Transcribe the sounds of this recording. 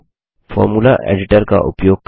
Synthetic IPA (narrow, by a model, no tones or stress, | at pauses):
fɔ̰ːɾmulaʔḛɖɪʈəɾka̰ʔʊpjoːɡ̚k